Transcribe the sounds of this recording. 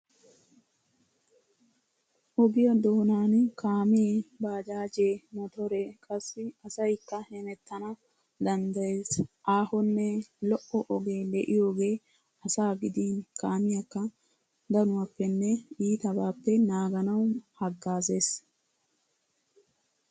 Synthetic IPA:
ʔɔbɪjɐd̪oːnaːnkʰaːmɪjeːbaːd͡ʒaːd͡ʒeːmɔt̪ɔɾe̞ːkʼɐsːɪɐsɐjkːɐhɛnɛt̪ʰːɐnɐ | d̪ɐnd̪ɐjeːsʔaːhɔnːɛlɔʔɔʔɔɡe̞ːlɛʔɪjo̞ːɡe̞ː | ɐsaːɡɪd̪iːnkaːmɪjɐkːɐ | d̪ɐnʊwaːpːɛnːɛiːt̪ɐbaːpːɛnaːɡɐnɐwhɐɡːaːze̞ːs

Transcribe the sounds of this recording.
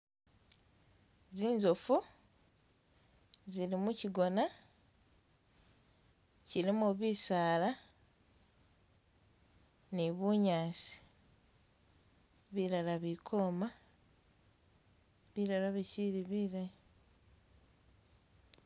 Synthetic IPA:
ziːnzofu | ziɾimuciɡo̞na | ciɾimuβisaːla | niβuɲaːsi̥ | βiɾalaβikʰo̞ːma | βiɾalaβiciɾiβiːɾa

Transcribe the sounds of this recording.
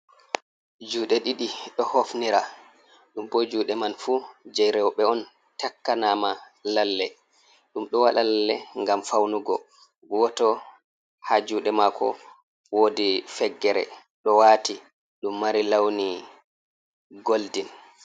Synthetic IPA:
d͡ʒuːɗɛɗiɗiɗɔhofniɾa | ɗumbɔd͡ʒuːɗɛmanfud͡ʒɛjɾɛwɓɛɔn | takːanama | lalːɛ | ɗumɗɔwaɗalalːɛŋɡamfawnuɡɔ | wɔtɔ | had͡ʒuːɗɛmakʰɔ̰ | wodifɛɡːɛɾɛ̰ | ɗɔwaːti | ɗumːaɾilawni | ɡoldin

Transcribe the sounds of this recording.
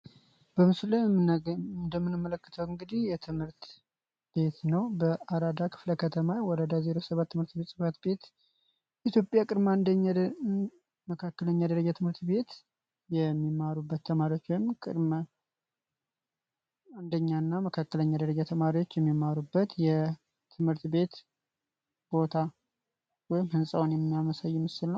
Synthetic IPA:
b̥əmɨslə | nd̪əmːɨnɨmːələkːɨ̥t̪ʰəwɨŋɡɨd̪ihjɛt̪ʰɨmhɨɾt̪ | b̥e̞t̪nəwbəʔaɾad̪akʰɨ̥fləkʰət̪ʰəmawɔɾəd̪azeɾo̞səβat̪ːɨmɨɾt̪be̞t̪sʼɨfət̪be̞t̪ | it̪jo̞pʼjakʼɨdmand̪əa | məkʰakːələɲːad̪əɾəd͡ʒat̪ʰɨmhɨɾt̪be̞t̪ | jɛmːimaɾubːət̪ʰːəmaɾiwo̞t͡ʃːwɔjɪmkʼɨ̰ɾmə | and̪əɲːanːaməkʰakːələɲːad̪əɾəd͡ʒat̪ʰəmaɾiwo̞t͡ʃːjɛmːimːaɾubːət̪jɛ | t̪ʰɨmhɨɾt̪be̞t̪ | b̥o̞t̪ʰa | wɔjɪmhɨnsʼawonjɛmːijaməsajːɪmɨsɨlnːəw

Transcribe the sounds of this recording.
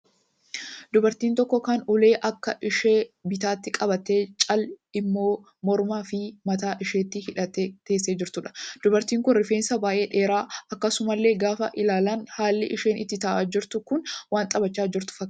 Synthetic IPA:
d̪ʊbɐɾt̪iːnt̪ɔkːɔkɐnʊle̞ːʔɐkːɐʔɪʃeːbɪt̪aːt̪ːɪkʼɐbɐt̪eːt͡ʃʼɐlɪmːo̞ː | mɔɾmaːfɪmɐt̪aːʔɪʃeːt̪ːɪhɪᶑɐt̪et̪ːe̞ːsːeːd͡ʒɪɾt̪ʊᶑɐ̥d̪̥ʊbɐɾt̪iːŋkʊnrɪfeːnsɐbaːʔe̞ːᶑe̞ːɾaːʔɐkːɐsʊmɐlːe̞ːɡaːfɐ̰ʔɪlaːlɐnhaːlːɪ̰ʔɪʃe̞ːnɪ̰t̪ːɪt̪ɐʔaːd͡ʒɪɾt̪ʊkʊnwaːnt̪ʼɐbɐt͡ʃːaːd͡ʒɪɾt̪ʊ̥fɐkː

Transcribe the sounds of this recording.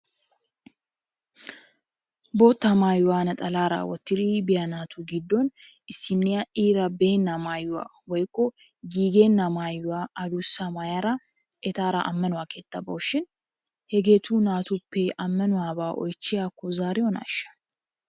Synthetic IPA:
bo̞ːt̪ːɐmaːjʊwaːnɐt̪ʼɐlaːɾa̰wɔt̪ːɪɾiːbɪjɐnaːt̪ʰuːɡɪd̪ːonɪsːɪnːɪjɐʔiːɾɐbeːnːɐmaːjʊwa̰ | wɔjkʼːɔ | ɡiːɡeːnːɐmaːjʊwaʔɐd̪usamajaɾɐ | ʔɛt̪aːɾa̰ʔɐmːɐnʊwakeːt̪ːɐboːʃɪn | hɛɡe̞ːt̪ʰuːnaːt̪ʊpːɛʔɐmːɐnʊwaːbaːʔɔ̰jt͡ʃːɪjaːkːʊzaːɾɛwɔna̰ːʃːɐ̥

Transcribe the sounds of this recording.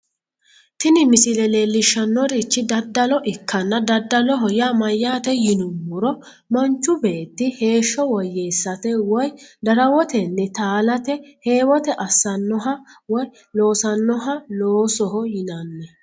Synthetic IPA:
t̪ɪnɪmɪsɪlɛle̞ːlːɪʃːɐnːɔɾit͡ʃːɪd̪ɐd̪ːɐlɔʔɪkʰːɐnːɐd̪ɐd̪ːɐlɔɦɔjamɐjːaːt̪ɛjɪnʊmːʊɾɔ | mɐnt͡ʃːʊbe̞ːt̪ːɪhe̞ːʃːɔwɔjːeːsːɐt̪ɛwɔjd̪ɐɾɐwɔt̪ɛnːɛt̪aːlɐt̪ɛhe̞ːwɔt̪ɛʔɐsːɐnːɔɦɐwɔj | lo̞ːsɐnːɔɦɐloːsɔɦɔjɪnɐnːɛ

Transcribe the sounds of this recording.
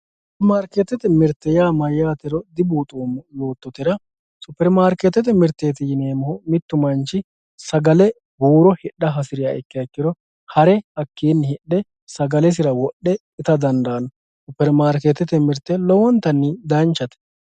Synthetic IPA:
sʊʊpɛɾmaːɾket̪ːɛt̪ɛmɪɾt̪ːɛjaːmɐjːaːt̪ɛɾɔd̪ɪbuːt̪ʼuːmɔjoːt̪ːɔt̪ɪɾɐ | sʊpːɛɾmaːɾket̪ːɛt̪ɛmɪɾt̪ːeːt̪ɪjɪneːmɔhɔmɪt̪ːʊmɐnt͡ʃːɪ | sɐɡɐlɛ | buːɾɔhɪɗːɐɦɐsɪɾɪjaɛkːɪɐkːɪɾɔ | hɐɾɛhɐkʰːiːnːɪhɛɗɛ | sɐɡɐlɛs̬ɪɾɐwɔɗːɛ | ɪt̪ɐd̪ɐnd̪ɐːnɔ | sʊpːɛɾmaːɾket̪ːɛt̪ɛmɪɾt̪ːɛlɔwɔnt̪ːɐnːɪd̪ɐnt͡ʃːɐt̪ɛ̥

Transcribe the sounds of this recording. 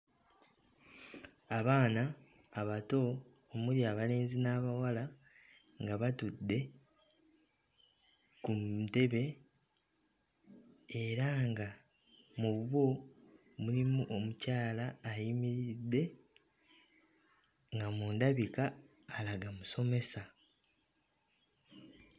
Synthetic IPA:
aβaːnaː | βato̞ː | muɾiaβale̞ːnzinaːβawala | ŋɡaβatudːe̞ | kute̞βe̞ | eɾaŋɡa | muβuβo̞ | mulimuʔomucaːlaːjimiɾidːe̞ | ŋɡamuːndaβikaː | laɡamuso̞me̞sa

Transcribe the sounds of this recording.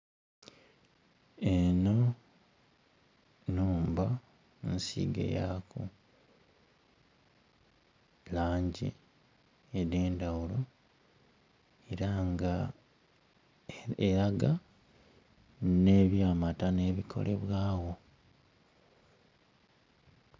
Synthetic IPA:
e̞no̞ | nuːmba | nsḭɡḛjaku | laːɲɟḭ | ede̞ːndawulo̞ | e̞ɾaŋɡa | eɾaɡa | ne̞βjaːmatane̞ːβikʰo̞̰lʔe̞̰βwaːwo̞

